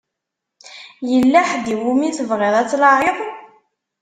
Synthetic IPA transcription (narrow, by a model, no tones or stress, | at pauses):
jəlːaħd̪iwumiθəvʁeðˤæt͡sːlɑʕeðˤ